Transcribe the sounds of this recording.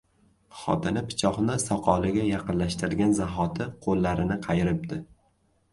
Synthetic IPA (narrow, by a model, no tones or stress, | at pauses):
χɒ̰t̪ʰɪnɪpʰɪ̥t͡ʃʰɒχnɪsɒqʰɒlˠɪɡʲajɑqɨnlaʃt̪ɪɾɪɡʲanzaɦɒt̪ʰɪqʰolːaɾɪnɪqʰɑjɪɾɪp̚d̪ɪ